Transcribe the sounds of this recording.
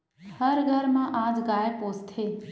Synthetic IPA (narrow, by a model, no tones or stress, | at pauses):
həɾɡʱəɾmãʔad͡ʒɡajepost̪ɦe